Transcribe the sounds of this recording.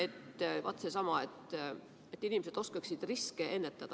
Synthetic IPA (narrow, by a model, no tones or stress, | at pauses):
et̪ːvɑt̪ːˑsesɑmɑet̪ːˑ | et̪ːˑinimese̞d̪̥o̞skeksid̪̥riskeʔe̞nːet̪ːˑɑd̪̥ɑ